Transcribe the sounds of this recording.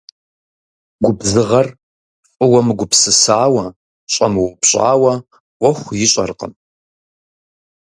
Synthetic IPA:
ɡʷʊbzɨʁɐr | fʼʊwɐmɨɡʷʊpsɨsaːwɐ | ɕʼɐmɨwʊpɕʼa̰ːwɐ | wʷɔxʷjɪɕʼɐ̰rqə̰m

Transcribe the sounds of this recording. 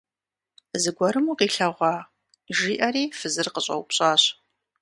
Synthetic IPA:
zɨɡʷɔɾɨmuːqiːɬɐʁʷɑː | ʒiːʔɐɾiːfɨzɨrqəɕʼɐ̰wpɕʼaːɕ

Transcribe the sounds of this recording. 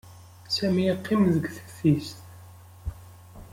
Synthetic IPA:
sæmiqʰːimðəɡθə̥θist̪

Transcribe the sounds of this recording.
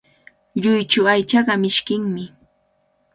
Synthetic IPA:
ʎʊjt͡ʃʊajt͡ʃɑɢɑmɪʃkɪŋmɪ

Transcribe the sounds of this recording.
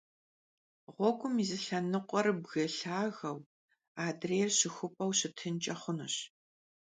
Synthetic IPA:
ʁʷɔɡʷʼʊmizɨɬɐnɨqʷʼɔrbɣɐɬaːɣɐw | aːdreːrɕɪxʷʊpʼɐwɕɪtʰɨnt͡ʃʼɐχʷʊnɐɕ

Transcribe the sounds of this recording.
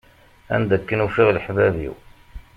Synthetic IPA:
æ̰nd̪ækːənufiʁləħvævḭw

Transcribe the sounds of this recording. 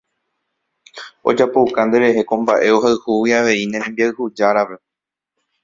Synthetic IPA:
o̞̰d͡ʒapo̞wkãnd̪e̞ɾe̞ɦe̞kõ̞mbaʔe̞o̞ɦaɨhuwiaʋe̞inẽɾ̃ẽ̞mbiaɨhud͡ʒaɾape̞

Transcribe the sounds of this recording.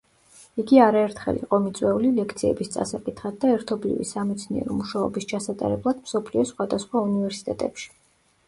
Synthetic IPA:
iɡiaɾaɛɾt̪ʰχɛ̰lḭqʼɔmit̪sʼwɛulilɛkʰt̪sʰiɛ̰bist̪sʼa̰sakʼit̪ʰχad̪̚d̪aɛɾt̪ʰɔblḭvḭsamɛt̪sʰniɛ̰ɾɔmuʃaɔ̰bist͡ʃʰasat̪ʼa̰ɾɛblˠad̪̥msɔpʰliɔsχwad̪asχwaunivɛɾsi̥t̪ʼɛt̪ʼɛpʃi̥

